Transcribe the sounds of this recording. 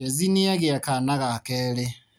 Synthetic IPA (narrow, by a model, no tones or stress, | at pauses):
eziniaɣjekanaɣakeɾe